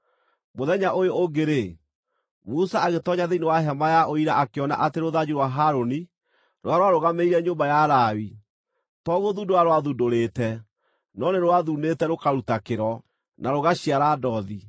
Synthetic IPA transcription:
moðɛɲaʔojooɡeɾe | musaaɣetɔɲaðeinewaɦɛmajaʔoiɾaʔakeɔna̰ʔateɾoðad͡ʑeɾwaɦaɾoni | ɾwaɾowaɾoɣameiɾɛɲoːmbajaɾaːwi | tɔɣoðudoaɾowaðudoɾetɛ | nɔneɾowaðunetɛɾokaɾutakeɾɔ | naɾoɣaɕiaɾaːdɔði

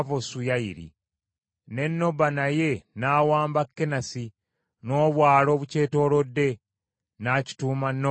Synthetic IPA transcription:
vosujaiɾḭ | ne̞nːo̞banaje̞naːwaːmbakːenasi | no̞ːβwaːlo̞ːβuce̞ːto̞ːlo̞dːe̞ | naci̥tuːmanːo

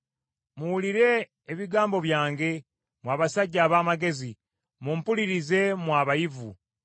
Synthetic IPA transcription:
muwuliɾe̞ː | βiɡaːmbo̞βjaːŋɡe̞ | mwaːβasaɟːaːβaːmaɡe̞zi | mumpuliɾize̞mwaːβajivṵ

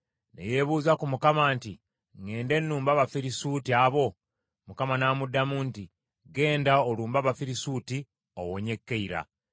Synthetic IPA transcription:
ne̞̰je̞βuːzakumukamaːnti | ŋe̞ːnde̞nːuːmbaβafiɾisuːtiaβo̞ | mukamanaːmudːamuːnti | ɡe̞ːndaoluːmbaβafiɾisuːti | o̰woɲe̞kːeiɾa̰

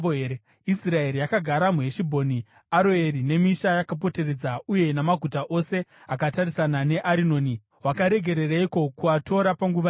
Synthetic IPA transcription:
e | israe̞ɾijakaɡʱaɾamuɦe̞ʃibʱo̞ni | aɾoe̞ɾine̞miʃajakap̬o̞te̞ɾe̞d͡zauje̞namaɡʱutaʔo̞se̞akatarisanane̞ʔaɾino̞ːni | wakaɾe̞ɡʱe̞ɾe̞raiko̞kuato̞ɾapaŋɡuʋa

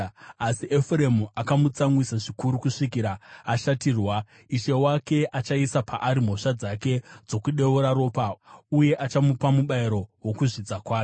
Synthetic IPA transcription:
asiʔefure̞muʔakamut͡samwisaʐikuɾukuʂikiɾaːʃatirwa | iʃe̞wake̞ʔat͡ʃaisapaʔaɾim̤o̞ʂad͡zake̞d͡zo̞kuɗe̞uɾaɾo̞ːpauje̞ʔat͡ʃamupamuɓaiɾo̞wo̞kuʐid͡zakwaːjo

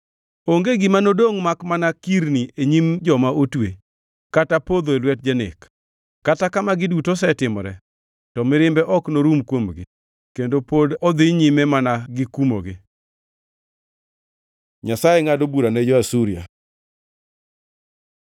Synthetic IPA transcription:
oŋɡeɡɪmanodoŋmakmanakiɾnieɲimd͡ʒɔmaʔotwe | katapod̪oelwɛt̚d͡ʒanɪ̰k | kːatakamaɡɪdutosɛtɪmɾɛ̰ | tɔmɪɾɪmbɛʔɔknoɾumkwomɡɪ̰ | kendopodɔd̪ɪɲimɛmanaɡɪkumo̰ɡɪ̰ | ɲasajeŋadobuɾaned͡ʒɔasuɾia̰

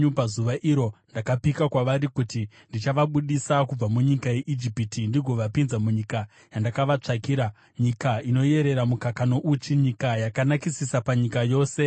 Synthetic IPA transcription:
upazuʋaʔiɾo̞ndakapikakwaʋaɾikuti | ndit͡ʃaʋaɓuɗisakub͡vamuɲikaje̞ʔid͡ʒipitindiɡʱo̞ʋapinzamuɲika | jandakaʋat͡ʂakiːɾa | ɲikaino̞je̞ɾe̞ɾamukakano̞ʔut͡ʃiɲikajakanakisisapaɲikajo̞ːse̞

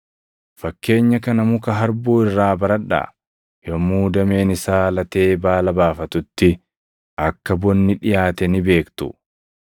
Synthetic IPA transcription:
fɐkːe̞ːɲːɐkɐnɐmʊkɐɦɐɾbuːɪrːaːbɐɾɐᶑa̰ː | jɔmuːd̪ɐme̞ːnɪsaːlɐt̪e̞ːbaːlɐbaːfɐt̪ʊt̪ːɪ | ʔɐkːɐbɔnːɪᶑɪjaːt̪ɛnɪbe̞ːkt̪ʊ̰

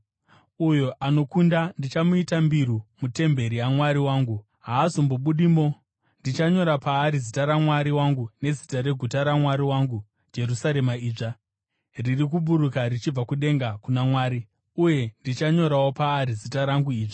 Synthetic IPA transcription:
ujoʔano̞kundandit͡ʃamuitambiɾumute̞mbe̞ɾijamwaɾiwaːŋɡu | ɦaːsomboɓuɗiːmo | ndit͡ʃaɲo̞ɾapaːɾizitaɾamwaɾiwaŋɡune̞zitaɾe̞ɡʱutaɾamwaɾiwaŋɡu | d͡ʒe̞ɾusaɾe̞maiːʐa | ririk̬uɓuɾukarit͡ʃib͡vakuɗe̞ŋɡakunamwaːɾi | uje̞ndit͡ʃaɲo̞ɾawopaːɾizitaɾaŋɡuiːʐi

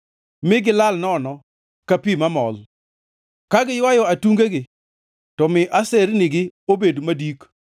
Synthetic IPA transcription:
mɪɡɪlalnɔnɔ | kapimamɔ̰l | kaɡɪjwajɔatuŋɡeɡɪ | tɔmɪʔaseɾnɪɡɪobedmadik

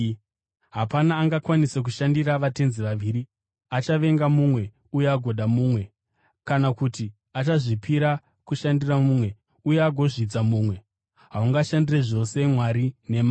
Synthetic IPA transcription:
ɦapanaːŋɡakwanise̞k̬uʃandiɾaʋate̞nziʋaʋiːɾi | at͡ʃaʋe̞ŋɡamumwe̞ | uje̞aɡʱo̞ɗʱamuːmwe̞ | kanakuti | at͡ʃaʐipʰiɾa | kuʃandiramuːmwe̞ | ujeaɡʱo̞ʐid͡zamuːmwe̞ | ɦauŋɡaʃandire̞ʐo̞se̞mwaɾine̞ma

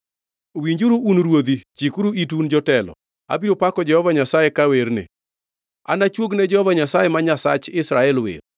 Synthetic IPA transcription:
wiɲd͡ʒuɾuunɾwod̪it͡ʃikuɾuitund͡ʒɔtɛlɔ̰ | a̰biɾopakɔd͡ʒɛhɔvaɲasajɛkaweɾnɪ̰ | a̰nat͡ʃwoɡnɛd͡ʒɛhɔvaɲasajɛmaɲasa̰t͡ʃɪsɾaɛlwḛɾ

